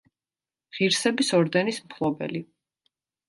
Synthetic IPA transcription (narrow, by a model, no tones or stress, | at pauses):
ʁiɾsɛbisɔɾd̪ɛnismχʰlˠɔbɛ̰li